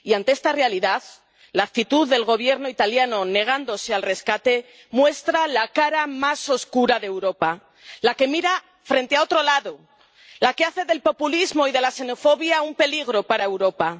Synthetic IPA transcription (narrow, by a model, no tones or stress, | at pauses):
iant̪e̞est̪are̞aliðað | laːk̚t̪it̪uðːe̞lɣo̞βje̞ɾno̞it̪aljano̞ne̞ɣ̞and̪o̞se̞alre̞skat̪e̞ | mwe̞st̪ɾalakaɾamaso̞skuɾaðewɾo̞pa | lake̞miɾa | fɾe̞nt̪eao̞t̪ɾo̞laðo̞ | lakeaθe̞ðe̞lpo̞pulizmo̞iðe̞lase̞no̞fo̞βjaumpe̞liɣ̞ɾo̞paɾae̞wɾo̞pa